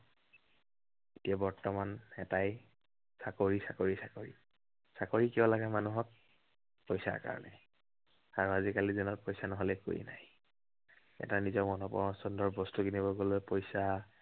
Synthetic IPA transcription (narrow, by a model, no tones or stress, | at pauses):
etijabɔɹtɔmanɛtaj | sakoɹisakoɹisakoɹḭ | sakoɹikɛɔlaɡamanuɦɔk̚ | pojsa̰ɹka̰ɹɔ̰nɛ | aɹuazikalizɔnɔt̚pojsanɔɦɔlɛko̰ɹḭnaj | ɛ̰tanizɔɹmɔnɔpɔ̰ɹɔsɔndɔɹbɔstukinibɔɡolojpojsa